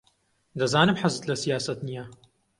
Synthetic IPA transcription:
d̪ɐzaːnɨmħazɨt̪lɐsijaːsɐt̪nija

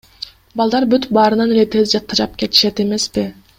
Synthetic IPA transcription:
bɑlˠd̪ɑɾbyt̪bɑːɾɯnɑne̞le̞t̪ʰe̞zd͡ʒɑt̪̚qɑd͡ʒɑp̚ke̞t̪i̥ʃe̞t̪e̞me̞spi

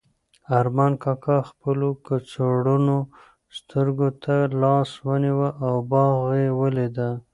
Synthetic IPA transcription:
aɾmɑnkɑkʰɑxpəlokət͡soɽuno | st̪əɾɡot̪ʰalɑswəniwəʔawbɑɣewəled̪a

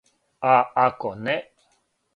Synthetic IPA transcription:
aakoneʔ

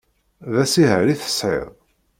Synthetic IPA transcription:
ðæsiɦə̰ɾiθə̥sʕɪ̰ðˤ

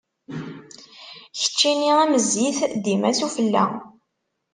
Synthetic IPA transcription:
çə̥t͡ʃːiniæməziθd̪imæsufəlːæ̰

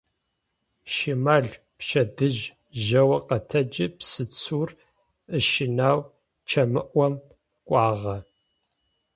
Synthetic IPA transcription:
ʃimaːɮ | pʃɐdɨʒ | ʒɐwɐqɐtʰɐd͡ʒɪpsɨt͡sʰuːr | əʃɪnaːw | t͡ʃʰɐmɨʔʷɔm | kʷʼɑːʁɐ

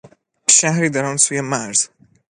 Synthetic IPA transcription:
ʃahɾid̪aɾɔnsujɛmaɾz̥

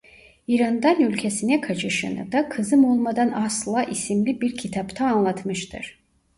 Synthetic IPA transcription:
iɾand̪anylʲcʰesinɛkʰat͡ʃʰɯʃɯ̰nɯ̰d̪akʰɯzɯmo̞lˠmad̪anaslˠaʔisimlʲibiɾcʰit̪ʰapt̪ʰaːnlˠat̪mɯʃt̪ʰɯ̰ɾ̥

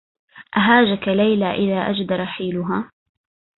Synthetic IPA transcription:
ʔaɦaːd͡ʒakalajlaːʔɪðaːʔad͡ʒd̪ɑɾˤɑħiːlʊɦaː

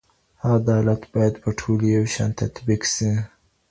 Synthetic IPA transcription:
ad̪ɑlat̪bɑjad̪pəʈʰolijawʃɑ̰nt̪a̰t̪biksi

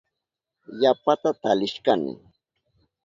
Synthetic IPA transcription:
japat̪at̪alɪʃkanɪ̰

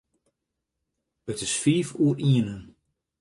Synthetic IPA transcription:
ətɪsfiːfuːərʔiənən

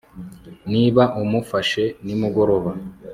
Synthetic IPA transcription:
niːβaʔumufaʃe̞nimuɡo̞ɾo̞βa

